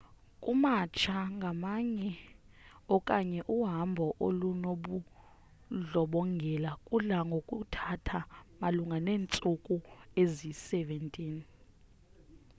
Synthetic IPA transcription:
kʼumat͡ʃʰaŋɡʱamaɲɛ | ɔkʼaɲɛʔuɦambʱɔʔolunoɓu | ɮɔɓɔŋɡʱɛlakʼulaŋɡʱokʼutʰatʰamaluŋɡʱaneːnt͡sʼukʼuezisɛvɛntʼiːn

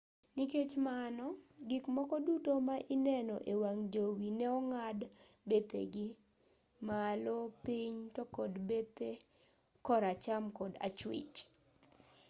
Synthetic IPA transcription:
niket͡ʃmanɔɡɪkmɔkɔdutomaʔinɛnɔʔewaŋd͡ʒowinɛɔŋadbet̪ḛɡi | malopiɲtɔkɔdbet̪e | kɔɾat͡ʃamkɔda̰t͡ʃwɪ̰t͡ʃ

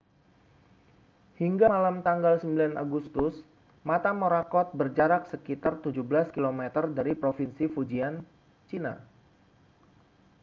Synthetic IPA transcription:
hiŋɡaalamt̪aŋɡalsəmbilanʔa̰ɡust̪ʊs | mat̪amoɾakɔt̪̚bərd͡ʒaɾak̚səkit̪art̪ud͡ʒuhbəlaskilomet̪ərdaɾipɾofinsifud͡ʒian | t͡ʃina̰

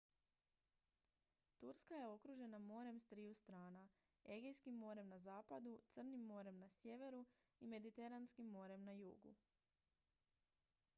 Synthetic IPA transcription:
t̪uɾskaje̞o̞kɾuʒe̞namo̞ːɾe̞mst̪ɾijust̪ɾaːna | e̞ɡejskimːo̞ːɾe̞mnazaːpad̪ut̪sr̩nimːo̞ːɾe̞mnasje̞ʋe̞ɾu | ime̞d̪it̪e̞ɾanskimːo̞ɾe̞mnajṵːɡṵ

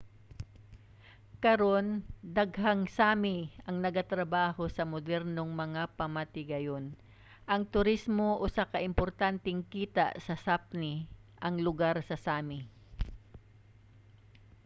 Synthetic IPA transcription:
kɐɾo̞nd̪ɐɡhɐŋsaːmɪʔɐŋnɐɡat̪ɾɐbaːhosɐmod̪ɛɾnoŋmɐŋapɐmɐt̪ɪɡɐjon | ʔɐŋt̪ʊɾismoʔosakɐʔɪmpoɾt̪ant̪ɛŋkiːt̪a̰ʔsɐsap̚nɪʔɐŋlʊɡaɾsɐsaːmɪ

